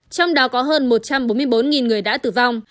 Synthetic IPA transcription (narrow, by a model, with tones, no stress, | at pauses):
t͡ɕɔ˧wŋ͡mɗɔ˨˦kɔ˨˦ɦəː˧nmo˨˩t̚t͡ɕa˧mɓo˨˦mɨ˧əjɓo˨˦nŋi˨˩nŋɨ˨˩əjɗa̰ː˧˥t̪ɨ˨˩va˧wŋ͡m